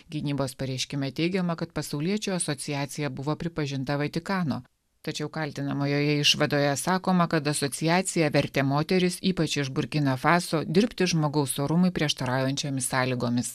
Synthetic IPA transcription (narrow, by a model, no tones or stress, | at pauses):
ɡʲɪnʲiːboːspɐɾʲɛɪʃʲkʲɪmʲɛt̪ʲɛɪɡʲɛmɐkɐt̪pɐsɐʊlʲiɛt͡ʃʲʊɐsɔt̪sʲɪjaːt̪sʲɪjɛbʊʋoːpʲɾʲɪpɐʒʲɪnt̪ɐʋɐt̪ʲɪkɑːnoː | t̪ɐt͡ʃʲɛʊkɐlʲt̪ʲɪnɐmoːjoːjɛɪʃʋɐd̪oːjɛsɑːkoːmɐkɐt̪ɐsɔtsʲɪjæːt̪sʲɪjɛʋʲɛɾʲt̪ʲeːmoːt̪ʲɛɾʲɪsiːpɐt͡ʃɪʒbʊɾʲkʲɪnofɑːsoːd̪ʲɪɾʲpʲt̪ʲɪʒmoːɡɐʊsoːɾʊmʊɪpʲɾʲiɛʃt̪ɐɾɑːjɛnʲt͡ʃʲoːmʲɪsɑːlʲiɡoːmʲɪs